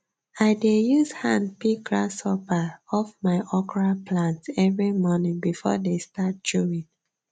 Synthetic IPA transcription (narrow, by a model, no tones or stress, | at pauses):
aɪdejuzhãnpiɡɹasɔpəɔfmaɪʔɔkɔɹapʰlãntsɛvɹimɔnĩŋbifɔ̰destat̚d͡ʒuɹĩŋ